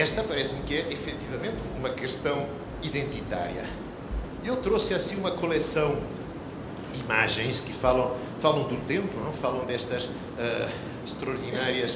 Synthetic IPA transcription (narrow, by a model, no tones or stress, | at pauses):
ɛʃt̪ɐpɐɾɛsmkɨɛʔifɛt̪ivɐmẽnt̪umɐkɨʃt̪ɐ̃w̃ | iðẽnt̪it̪a̰ɾjɐ̰ | ewt̪ɾosɐsĩumɐkulˠɛsɐ̃w̃ | d̪ima̰ʒẽj̃ʃkɨfalˠɐ̃w̃ | falˠɐ̃w̃d̪ut̪ẽmpunɛ̃falˠɐ̃w̃d̪ɛʃt̪ɐʃ | ɛ | ʃt̪ɾɐuɾðinaɾiɐʃ